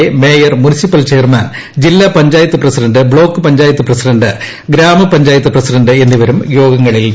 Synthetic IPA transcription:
eme̞ːjɐrmunisipːɐlt͡ɕe̞ːrmaːn | d͡ʑilːɐpɐɲd͡ʑaːjɐt̪ːɨprɐsiɖɐɳɖɨbɭo̞ːkːɨpɐɲd͡ʑaːjɐt̪ːuɨprɐsiɖɐɳnɖɨ | ɡɾaːmɐpɐɲd͡ʑaːjɐt̪ːuprɐsiɖɐɳɖɨe̞nːiʋɐɾumjo̞ːɡɐŋːɐɭil

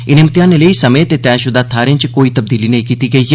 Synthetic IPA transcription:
ɪnẽmt̪ɪjaːneleisɐmeːt̪et̪ɛːʃʊd̪aːt̪ʰaːɾẽt͡ʃkoːit̪ɐb̚d̪iːlinɐĩkiːt̪iɡɐi

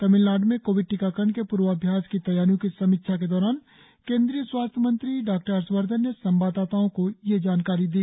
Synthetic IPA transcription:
t̪ɐmɪllaːɖmẽkoːʋɪɖ̚ʈɪkaːkəɾɳkepuːɾʋəɐbʱjaːskit̪ɐjaːɾjõkisɐmikʃʰak̬ed̪ɔːɾaːn | kẽːnd̪ɾijəswaːst̪ʰjəmə̃nt̪ɾiɖaːk̚ʈəɾəɾswəɾd̪ʱənːesɐ̃mbaːd̪aːt̪aːõkojed͡ʒaːnkaːɾid̪iː

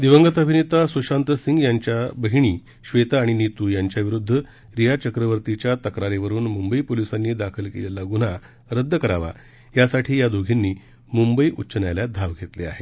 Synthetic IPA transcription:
d̪iʋəŋɡət̪əbʱinet̪asuɕant̪əsiŋɡjaɲt͡ɕjabəɦiɽ̃iː | ɕʋet̪aːɽ̃init̪ujaɲt͡ɕjaʋiɾud̪ʱːə | ɾijat͡ɕəkɾəʋəɾt̪it͡ɕjat̪əkɾaɾeʋəɾuːnmumbəipolisanːiːd̪akʰəlkelelaɡun̤a | ɾəd̪ʱːəkəɾaʋa̰ | jasaʈʰiːjad̪ʱoɡʱinːiː | mumbəiʔutːɕənjaljad̪ʱaʋɡʱet̪lea̰ɦe

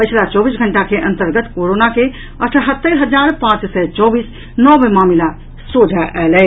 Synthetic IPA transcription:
pəjt͡ʃʰlat͡ʃɔbisɡʱəɳʈakeʔə̃nt̪əɾɡət̪koɾonake | əʈ̪ʰɦət̪ːəɾɦəd͡ʒaɾpãt͡ʃsɛt͡ʃɔbis | nɔbemamila | sod͡ʒʱaʔɛlɛ

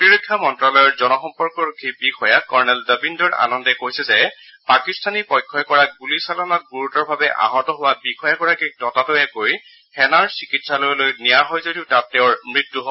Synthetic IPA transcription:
potiɹɔkʰːjɔmɔntɹalɔjɔɹzɔnɔxɔmpɔɹkɔɹukʰibixʰɔjakɔɹnɛldəbindɔɹa̰nɔndɛkojsɛzɛpakistanipɔjkʰːɔjkɔɹaɡulisalɔnat̚ɡuɹutɔɹbʱabɛʔa̰ɦɔtɔɦʊwabixɔjaɡɔɹakitɔtatɔjɛkoj | hɛnaɹsikitsalɔjlojnijaɦɔjzodiʊtatːɛʊɹmɹitːuɦɔ

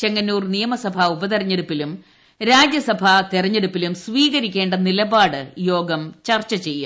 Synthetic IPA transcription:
t͡ɕe̞ŋːɐnːuːrnijɐmɐsɐbʱɐubɐðɐrɐɲːe̞ɽupːilum | ɾaːd͡ʑjɐsɐbʱɐt̪irɐɲːe̞ɽupːilumsʋiːɣɐɾikʲːe̞ːɳɖɐnilɐbaːɽɨjo̞ːɡɐmt͡ɕɐrt͡ɕːɐt͡ɕe̞jːa

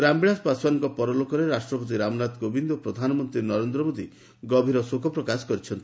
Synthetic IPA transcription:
ɾambiɭaspaswanɔŋkɔpɔɾɔlokɔɾeɾasʈɾɔpɔt̪̬iɾamɔnat̪ɡobind̪opɾɔd̪ʱanɔmɔnt̪ɾinɔɾend̪ɾɔmod̪i | ɡɔbʱiɾɔsokʰɔpɾɔkasɔ̥kɔɾit͡ʃʰɔnt̪i̥

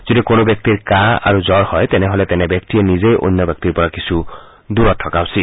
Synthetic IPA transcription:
zod̪ikonobjɔk̚t̪iɾkaa̰ɾuzɔɾhɔjt̪ɛneɦolet̪ɛnebjɔkt̪ienizejʔo̰nːjɔbjɔk̚t̪iɾpɔɹakisʰu | d̪uɾɔt̪ʰːɔkawsi

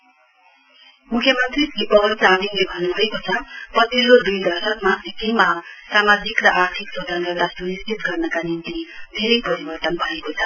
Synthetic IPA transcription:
mukʰjʌmʌnt̪riɡipʌbʌnt͡samiŋlebʱʌnbʱʌekot͡sʰʌpʌsilːod̪ujd̪ʌrsʌkmaek̪ejmaɦsamad͡zikrʌʔart̪ʰiksod̪ʱanɡʌd̪ast̪onistit̪ɡʌrnʌkanint̪ib̪ʱeɾijpʌɾibʌrt̪ʌnbʱʌekot͡sʰʌ

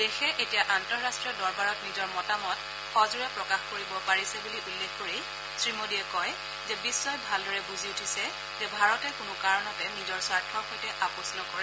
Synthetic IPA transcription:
dexɛʔetijaʔantɔɹɹastɹijɔdɔɹbaɹɔtnizɔɹmɔtamɔt | xɔzuɹɛpɹɔkaxkoɹibɔpaɹisɛbuliʔulːexkoɹi | sɹimodiɛkɔj | zɛbisːɔjbʱaldɔɹɛbuziutʰisɛ | zɛbʱaɹɔtɛkʊnʊkaɹɔnɔtɛnizɔɹsaɹtʰɔɹxojtɛʔapɔsnɔkɔɹɛ

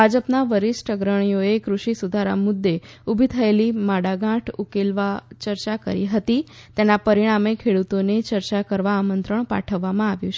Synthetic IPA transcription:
bʱad͡ʒəpnaʋəɾisʈəɡɾəɳ̃ijoekɾuʃisud̪ʱaɾa̰mʊd̪ːeubʱit̪ʰəelimaɽaɡãʈʰukelʋat͡ʃəɾt͡ʃakə̰ɾiɦət̪it̪enapəɾiɽ̃amekʰeɽut̪onet͡ʃəɾt͡ʃakəɾʋaːmənt̪ɾəɳpa̰ʈʰəʋːamãaʋjũt͡ʃʰe

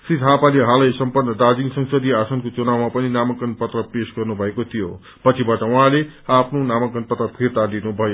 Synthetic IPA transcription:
srit̪ɦapaleɦãlʌjsʌmpʌrnːʌd̪ad͡ziŋsʌŋsʌd̪iasʌnkot͡sunawmapʌninamʌkʌnpʌt̪rʌpesɡʌrnubʱʌekot̪ʰijo̰ | pʌt͡sʰibaʈʌuɦãleapʰnonamʌkʌnpʌt̪rʌpʰirt̪alinubʱʌjo

